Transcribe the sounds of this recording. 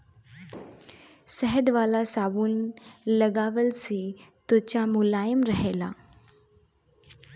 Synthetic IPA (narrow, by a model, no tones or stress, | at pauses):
səɦəd̪ʋalasaʋuːnləɡaʋəlsit̪ut͡ɕamulajəmɾəɦela̰